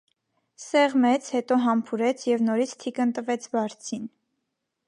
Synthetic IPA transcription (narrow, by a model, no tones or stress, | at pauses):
sɛʁmɛt͡sʰhɛt̪ɔɦɑmpʰuɾɛt͡sʰjɛvnɔɾit͡sʰt̪ʰikənt̪əvɛt͡sʰbɑɾt͡sʰin